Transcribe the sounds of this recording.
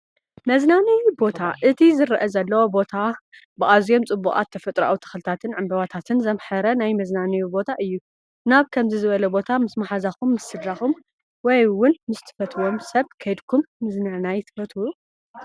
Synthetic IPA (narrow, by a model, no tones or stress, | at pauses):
mɐznanɐjbo̞t̪ʰaʔɨt̪ʰizɨɾɐʔɐzɐlːɐwobo̞t̪ʰa | bɨʔazijo̞mt͡sʼɨbːukʼa̰t̪ʰːɐfɐt̪ʼɾa̰wut̪ʰɨ̥xɨlɨt̪ʰat̪ʰɨnʕɨmbɐβat̪ʰat̪ʰɨnzɐmħɐɾɐnajmɐznanijubo̞t̪ʰaʔɨjːu | naβkʰɐmzizɨβɐlɐbo̞t̪ʰamɨsmaħazakumːɨsːɨd̪ɾaxum | wɔjwʊnmɨst̪ʰɨ̥fɐt̪ʰwomsɐβkʰɐjd̪kʰumːɨznanajt̪ʰɨ̥fɐt̪ʰuwu